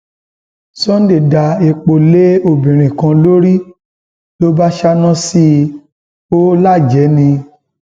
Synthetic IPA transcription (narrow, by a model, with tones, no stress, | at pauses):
sɔ̃˦n˦de˦˨da˧e˧k͡po˨le˦o˧bĩ˨ɾ̃ĩ˨kã˧lo˦ɾi˦ | lo˦ba˦ʃa˦nã˦si˦ | o˦la˦˨d͡ʒɛ˨˦nĩ˧